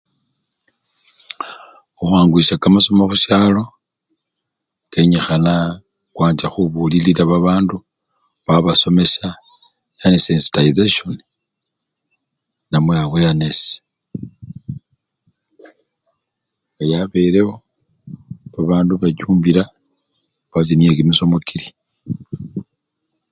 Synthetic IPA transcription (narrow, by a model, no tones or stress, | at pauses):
uxaːŋɡuisakamaso̞maxuʃjaːlo̞ | ke̞ɲexana | kwaːnd͡ʒaxuβuliliɾaβaβaːndu | βaβaso̞me̞sa | janesensi̥taizeʃoni | namweawejanesi̥ | ŋɡajaβe̞ɾeho̞ | βaβaːnduβat͡ʃuːmbiɾa | kazinijekimiso̞mokʰiɾi̥